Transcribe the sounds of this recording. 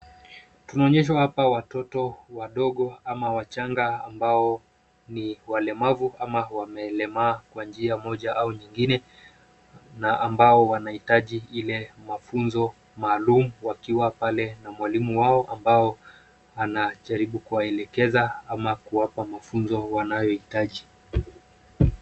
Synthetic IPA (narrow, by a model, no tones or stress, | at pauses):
tunaɔɲɛʃ̬wahapawatɔtɔwaɗɔɠɔamawat͡ʃaŋɡaambaɔ | niwalɛmavuamawamɛːlɛmaːkwand͡ʒiamɔʄaʔauɲiŋɡinɛ | naʔambaɔwanahitaʄiilɛmafunzɔ | maːlumuwakiwapalɛnamwalimuwaɔʔambaɔ | anaʄaɾiɓukuwaɛlɛkɛzaamakuwapamafunzɔwanajɔitaʄi